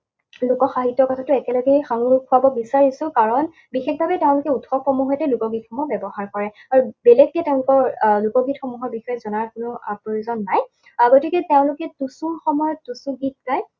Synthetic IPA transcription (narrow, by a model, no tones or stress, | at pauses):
lʊkɔxaɦitːɔɹkɔtʰatʊɛkɛlaɡɛjxaŋuɹkʰuabɔbisaɹisʊ̃kaɹɔn | bixexbʱabɛteʊ̃lʊkɛutʰxɔpɔmuɦɔjtɛlukɔɡit̚xɔmɔbɛbɔɦaɹkɔɹɛ | aɹubɛlɛɡ̚tɛteʊ̃lʊkɔɹlukɔɡitxɔmuɦɔɹbixɔjɛzɔnaɹkʊnʊa̰pɹojuzɔnːaj | aɡotikɛteʊ̃lʊkɛtusuxɔmɔjɔtusuɡit̚kaj